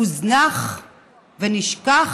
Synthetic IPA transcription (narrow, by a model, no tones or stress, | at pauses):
uznaχ | veniʃkaχ